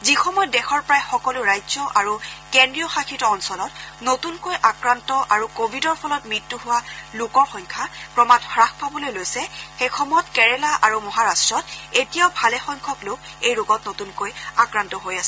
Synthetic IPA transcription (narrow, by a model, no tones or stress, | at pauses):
zixɔmɔjɔtdɛxɔɹpɔɹajxɔkɔlʊɹajzɔʔaɹukendɹijɔxakʰitɔːnsɔlɔtnotunkojʔakɹantɔʔaɹukobʱidɔɹpʰɔlɔtmɹitːuɦʊwalʊkɔɹxɔjŋkʰapɹɔmatxɹaxpabɔlojlojsɛxejxɔmɔjɔtkɛɹɛlaʔaɹumɔɦaɹastɹɔtetijaʊbʱalɛxɔjŋkʰɔklok | ejɹoɡɔtnotunkojakɹantɔɦojasɛ